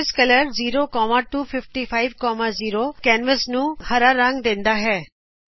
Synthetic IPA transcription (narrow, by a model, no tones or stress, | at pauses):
ɪskələɾziːɾokɔːmaʈuːfʰɪfʈifʰaːɪʋkɔːmaziːɾokɛ̃ːnʋəsnũhəɾaɾãŋɡd̪ẽːnd̪aɦɛː